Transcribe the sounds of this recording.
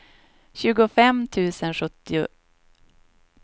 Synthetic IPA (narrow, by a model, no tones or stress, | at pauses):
ɕʉ̟ːɡʊfɛmt̪ʰʉ̟ːsənɧɵt̪ːɪʊ